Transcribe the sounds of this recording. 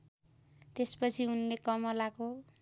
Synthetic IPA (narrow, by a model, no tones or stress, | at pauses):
t̪espʌt͡sʰiunlekʌmʌlako